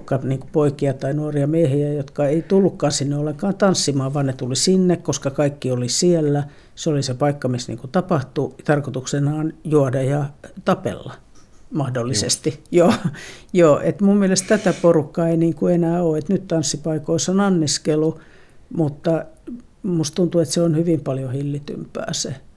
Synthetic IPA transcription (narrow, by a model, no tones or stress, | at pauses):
kːɑniːŋkupoikiɑt̪ɑinuoriɑmiehiæjot̪kɑeit̪ulːukːɑːnsinːeolːˑeŋkɑːnt̪ɑnsːimɑːʋʋɑːnnet̪ulisinːekkoskɑkɑikːiolisielːæ | seolisepɑikːɑmisnḭŋkut̪ɑpɑht̪ut̪ɑrkot̪uksenɑːnjuodɑjɑt̪ɑpḛlːɑ̰ | mɑhdolːisest̪ijoːjoːʔḛt̪mummielest̪æt̪æporukːɑeiniːŋkuenæːoːet̪nyt̪t̪ɑnsːipɑikoisonɑnːiskelu | mut̪ːɑ | must̪t̪unt̪uet̪seonhyʋimpɑljohilːit̪y̰mpæ̰ːse